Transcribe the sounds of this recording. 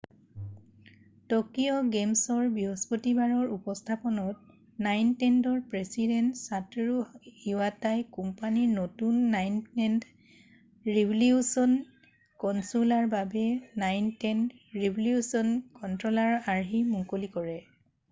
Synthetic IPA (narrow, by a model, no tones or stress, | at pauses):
tɔkiɔɡemsɔɹbiɦɔspotibaɹɔɹupɔstʰapɔnɔt̚ | najntɛndɔɹpɹesidɛntsatɹuiwatajkumpaniɹnotunːajnɛnd | ɹibliusɔn | kɔnsulaɹbabɛnajntɛndɹibʱliusɔnkɔntɹɔlaɹaɹɦimuŋkolikɔɹɛ